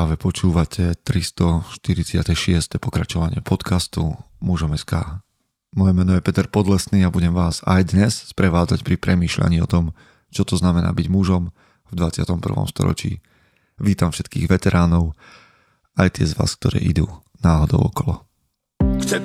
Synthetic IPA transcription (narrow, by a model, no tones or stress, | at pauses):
aːʋɛpɔt͡ʃuːʋacʰɛt̪ɾist̪ɔʃt̪iɾit͡sɪat̪ɛʃɪɛst̪ɛpɔkɾat͡ʃɔʋaɲɪɛpʰɔt̪kʰast̪u | muʒɔmɛskaː | mɔjɛmɛːnɔjɛpɛt̪ɛɾpɔd̪lɛsniːabuɟɛmʋaːza̰jd̪ɲɛsspɾɛʋaːd͡zacpɾipɾʔɛmiːʃla̰ɲiːɔt̪ɔm | t͡ʃɔt̪ɔznamɛna̰ːbiɟmuʒɔm | vd̪ʋat͡sɪat̪ɔmpr̩ʋɔ̰mst̪ɔ̰ɾɔ̰t͡ʃḭː | ʋiːt̪amfʃɛt̪kiːɣʋɛt̪ɛɾʔaːnɔʊ | ajt̪ɪɛzʋa̰ːsk̚t̪ɔɾɛ̰ːʔid̪uː | naːɦɔd̪ɔʊɔkɔlɔ